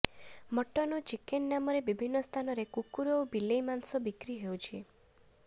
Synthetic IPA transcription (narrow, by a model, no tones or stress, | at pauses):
məʈɔnɔt͡ʃikenːamɔɾebibʱinːɔst̪ʰanɔɾekukuɾɔwbilejmansɔbikɾiɦewt͡ʃʰie